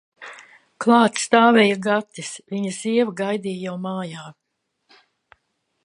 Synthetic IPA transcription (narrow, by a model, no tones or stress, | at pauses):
klˠɑːt̪st̪aːvɛjaɡat̪ːisvʲiɲɐziɛvaɡajd̪ijjawmaːjaː